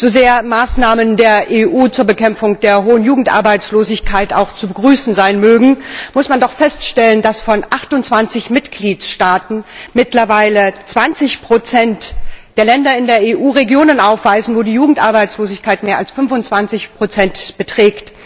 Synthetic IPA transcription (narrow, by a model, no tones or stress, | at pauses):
z̥ozeːɐmaːsnaːməndeːɐʔeːʔuːt͡suːɐbəkɛmfʊŋd̥eːɐɦoːənjuːɡŋ̩tʔa̰ɐbaɪt͡sloːzɪçkʰaɪta̰ʊxt͡subəɡʁyːsn̩zaɪnmøːɡŋ̩mʊsmandɔχfɛstʃtɛləndasfɔnʔaχtʊntt͡sv̥ant͡sɪçmɪtɡ̥liːtʃtaːtn̩mɪtlɐvaɪlət͡sv̥ant͡sɪçpʁ̥ot͡sɛntd̥eːɐlɛndɐɪndeːɐeːʔuːʁeɡjoːnənʔaʊfv̥aɪzn̩voːdiːjuːɡŋ̩tʔaɐbaɪt͡sloːzɪçkʰaɪtmeːɐalsfʏnvʊnt͡sv̥ant͡sɪçpʁ̥ot͡sɛntb̥ətʁ̥ɛːkt